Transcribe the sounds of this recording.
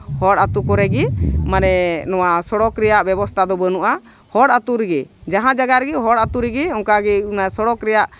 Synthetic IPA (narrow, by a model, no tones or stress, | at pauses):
hɔɽat̪ukɔɾɛɡimanɛnɔwasɔɽɔkɾɛjaʔbɛbɔst̪ʰad̪ɔbənuʔa | hɔɽat̪uɾɛɡɛd͡ʒaɦãd͡ʒaɡaɾɛɡiɦɔɽat̪uɾɛɡɛɔ̃ŋkaɡɛunasɔɽɔkɾɛjaʔ